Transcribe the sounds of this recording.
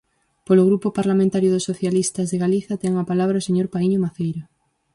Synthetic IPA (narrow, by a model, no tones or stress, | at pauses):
poloɣ̞ɾupopaɾlamẽnt̪aɾjʊðʊsoθjalist̪ɐzðeɣaliθɐt̪ɛŋapalaβ̞ɾaoseɲoɾpaiɲomaθejɾo